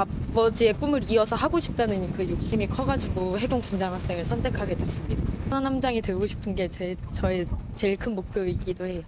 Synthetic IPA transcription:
abʌd͡ʑie̞p͈umɯɾiʌsʰʌhaɡoɕʰi̥p̚t͈anɯnkɯjok̚ɕ͈imikʰʌɡad͡ʑiɡohe̞ɡoŋkund͡ʑaŋɦwaks͈eŋɯɭsʰʌntʰe̞kʰaɡe̞dwe̞s͈ɯmɲidananamd͡ʑaŋitweɭɡoɕʰi̥pʰɯnɡe̞t͡ɕet͡ɕʌet͡ɕe̞iɭkʰɯnmok̚pʰjoik͈idohe̞jo

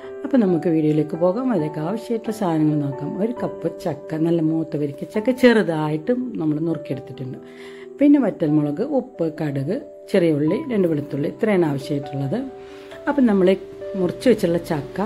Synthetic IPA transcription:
ɐpːonɐmukːɨʋiːɽiɐjileːkːɨpo̞ːɣaːmɐðɾeːkːaːʋɐɕjaːiʈːuɭːɐsaːd̪ʱnɐŋːɐɭno̞ːkːaːmo̞ɾukɐpːɨt͡ɕɐkːɐnɐlːɐmuːt̪ːɐʋɐɾikʲːɐt͡ɕːɐkːɐt͡ɕerɨðaːjiʈːumnɐmːɐɭnurkije̞ɽut̪ːitːuɳːɨ | pinːe̞ʋɐtːɐlmuɭɐɣɨʔupːɨkɐɽɨɣɨ | t͡ɕerijoɭːiɾe̞ɳɖɨʋeɭit̪ːuɭːit̪reːnaːʋɐɕjɐaːjiʈːuɭːɐðɨ | ɐpːonɐmːɐɭemurɐt͡ɕːuʋet͡ɕːiʈuɭːɐt͡ɕɐkːɐ

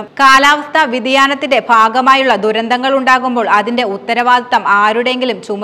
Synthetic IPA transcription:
kaːlaːʋɐst̪ʰɐʋid̪ijaːnɐt̪ːinde̞bʱaːɡɐmaːjuɭːɐd̪uɾɐnd̪ʱɐŋːɐɭuɳɖaːɣumbo̞ːɭɐðinde̞ut̪ːɐɾɐʋaːd̪t̪ɐmaːɾuɽe̞ŋɡilumt͡ɕum

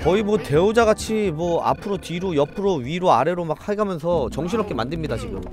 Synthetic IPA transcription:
kʌimwʌte̞od͡ʑaɡat͡ɕʰimwʌa̰pʰɯɾot͡ɕiɾojʌpʰɯɾoɥiɾoaɾe̞ɾomak̚haɡamjʌnsʰʌt͡ɕʌŋɕʰiɾʌp̚k͈e̞mandɯɭmɲidaɕʰiɡjo̰

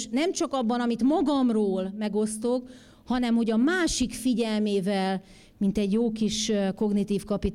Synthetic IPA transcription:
nɛmt͡ʃɒkɒbːɒnɒmit̪mɒɡɒmroːlmɛɡo̞st̪o̞k | hɒnɛmho̞ɟɒmaːʃikfiɟɛlmeːvɛl | mint̪ɛɟjoːkiʃko̞ɡnit̪iːfkɒpit̪

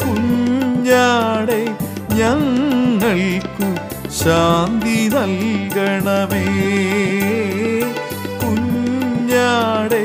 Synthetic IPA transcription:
kuɲːaːɽe | ɲaːnːɐɭikːu | ɕaːnd̪inɐlkɐɳɐme | kuɲː | aːɽe

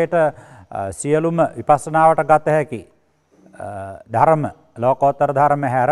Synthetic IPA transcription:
ʈə | sijəluməʋipasːənaːʋəʈəɡat̪ːəɦɛki | d̪ʱaɾəmə | loːkəot̪ːəɾəd̪ʱaɾməɦæɾ

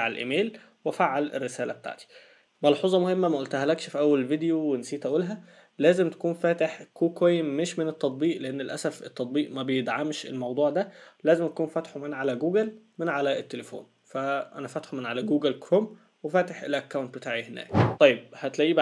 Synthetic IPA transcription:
ʕelʔḛmeːl | wefaʕːalḛrːesæːlæbet̪a̰ʕt̪i̥ | mɑlħuːzˤɑmohemːæmæʔolt̪æhælækʃfiʔæwːælelvid̪ejowensiːt̪ʔæʔuːlɦæ | læːzemt̪æ̥kuːnfæːt̪eħkʰoːkwæjmeʃmenet̪ːɑt̪̚ˤbiːʔleʔenːelʔæ̰sæfet̪ˤːɑt̪ˤbiːʔmæbejed̪ʕamʃḛlmɑwd̪ˤuːʕd̪ælæːzemʔækuːnfæt̪ħomenʕalæɡuːɡælmɪnʕalæet̪ːelefo̰ːn | fæʔænæfæt̪ħomenʕalæɡuːɡælkɾom | wefæːt̪eħʔḛlʔækːæwnt̪̚bet̪aːʕihenæ̰ːkt̪ˤɑjːeb̚hæt̪læʔiːb

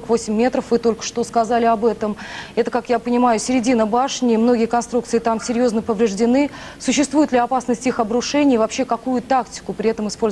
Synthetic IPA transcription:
kvosʲɪmʲːe̞t̪ɾəfvɨt̪o̞lʲkə̥ʂt̪o̞skɐzalʲɪɐbɛt̪əmɛt̪əkakjapənʲɪmajʊsʲɪɾʲɪdʲinəbaʂnʲɪmno̞ɡʲɪjəkɐnst̪ɾukt̪sɨɪt̪amsʲɪɾʲjo̞znəpəvɾʲɪʐdʲɪnɨ | sʊɕːɪst̪vujɪt̪lʲɪɐpasnəsʲtʲixɐbɾʊʂɛnʲɪjvɐpɕːe̞kɐkujʊt̪aktʲɪ̥kʊpɾʲɪɛt̪əmɨspo̞lʲ

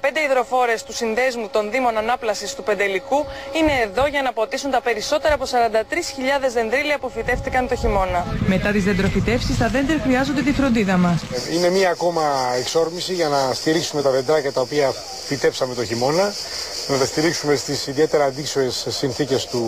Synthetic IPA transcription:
pe̞nd̪eiðɾo̞fo̞ɾest̪usinðe̞zmut̪o̞nðimo̞nɐnɐplɐsist̪upend̪elikuine̞ːðo̞ʝɐnɐpot̪isunt̪ɐpe̞ɾiso̞t̪e̞ɾɐpo̞sɐɾɐnd̪ɐt̪ɾisçiʎɐðe̞zðe̞nd̪ɾiliɐpofit̪e̞ft̪ikɐnt̪o̞çimo̞nɐme̞t̪ɐt̪izðend̪ɾo̞fit̪e̞fsist̪ɐðe̞nd̪eɾxɾiɐzo̞nd̪et̪ifɾo̞nd̪iðɐmɐsine̞miɐːko̞mɐekso̞ɾmisiʝɐnɐst̪iɾiksume̞t̪ɐðe̞nd̪ɾɐcɐt̪ɐo̞piɐ | fit̪e̞psɐme̞t̪o̞çimo̞nɐ | nɐt̪ɐst̪iɾiksume̞st̪isiðie̞t̪e̞ɾɐːnd̪isoɾe̞sːinθice̞st̪u

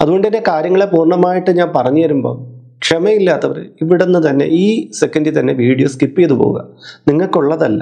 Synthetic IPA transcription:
ɐðuɣo̞ɳɖɨt̪ɐnːekaːɾjɐŋːɐɭepuːrɳɐmaːjiʈːɨɲaːnpɐrɐɲːuʋɐɾumbo̞̰ː | kʂemɐjilːaːt̪ːɐʋɐɾɨiʋiɽenːɨt̪ɐnːe̞̰ʔiːsekːɐndit̪ɐnːe̞ʋiːɽijoːskipːijɐðɨpo̰ːɣṵɣɐ̰niŋːɐɭkuɭːɐðɐlːɐ̰

